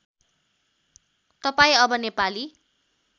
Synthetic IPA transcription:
t̪ʌpaĩʌbʌnepali

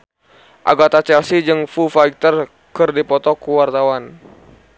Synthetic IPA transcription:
ʔa̰ɡat̪at͡ʃɛlsid͡ʒɨŋfufaik̚t̪ər | kɨrdipɔt̪ɔkuwart̪awan

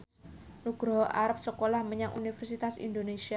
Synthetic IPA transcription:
nuɡ̥ɾɔɦʔaɾap̚səkolahməɲaŋʔṵnifərsit̪asḭnd̪onesia

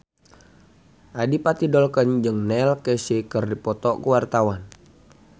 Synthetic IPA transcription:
ʔadipat̪idɔlkənd͡ʒɨŋnɛlkɛsikərdipɔt̪ɔkuwart̪awan

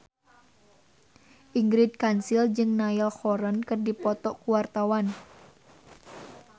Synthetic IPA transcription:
ʔiŋɡɾid̪̚kansild͡ʒɨŋnailxɔɾənkɨrdipɔt̪ɔkuwart̪awan

